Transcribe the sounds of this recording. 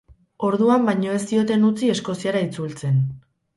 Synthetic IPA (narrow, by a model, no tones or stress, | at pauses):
o̞ɾðuambajɲo̞e̞st̪io̞t̪e̞nut͡sie̞sko̞siaɾait͡sult͡se̞n